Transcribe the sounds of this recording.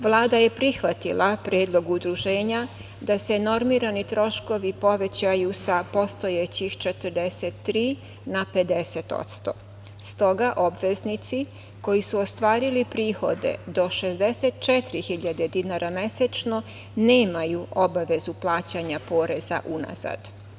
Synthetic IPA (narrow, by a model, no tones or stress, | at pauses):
ʋlˠaːd̪aje̞pɾixʋat̪ilʔapɾjeːd̪lˠo̞ɡud̪ɾuʒe̞ːɲa | d̪ase̞no̞ɾmiɾanit̪ɾo̞ʃko̞ʋipo̞ʋe̞t͡ɕajusapo̞st̪o̞jet͡ɕixt͡ʃe̞t̪ərɾd̪eset̪ːɾiː | nape̞d̪e̞set̪o̞̰t̪st̪o̞̰ | st̪o̞ɡaʔo̞bʋe̞znit̪si | ko̞jisuost̪ʋaːɾilipɾiːxo̞d̪ḛd̪o̞ʃe̞zd̪e̞set̪t͡ʃet̪ɾixiʎad̪e̞d̪inaɾʔame̞set͡ʃno̞ | ne̞ːmajuo̞baʋe̞zuplˠaːt͡ɕaɲapo̞ːɾe̞za̰ʔuna̰za̰d̪